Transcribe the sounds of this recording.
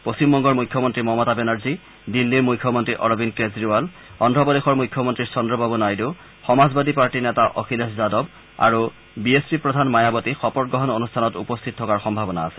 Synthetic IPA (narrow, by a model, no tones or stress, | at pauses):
post͡ɕimbɔŋɡɔɹmujkʰːɔmɔntɹimɔmɔtabɛnaɹzi | dinːiɹmujkʰːɔmɔntɹiʔɔɹobinkezɹiwal | ɔndʱɔbɔdexɔɹmujkʰːɔmɔntɹiɹsɔndɹɔbabunajdu | xɔmazbadipaɹʈinɛtaʔɔkʰileszadɔb | a̰ɹu | biespipɹɔdʱanmajabɔtixɔpɔɹɡɹɔɦɔnonustʰanɔtupɔst̪ʰit̚tʰɔkaɹxɔmbʱabɔnaːsɛ̥